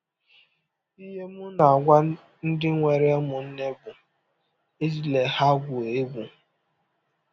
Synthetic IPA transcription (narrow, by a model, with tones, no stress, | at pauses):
i˦ɦe˦mʊ˦na˨ɡʷa˦ | n̩˦dɪ˦ŋʷe˨ɾe˦mʊ˨n̩˦ne˦bʊ˨ | e˦zi˨le˨ha˦ɡʷʊ˨e˦ɡʷu˨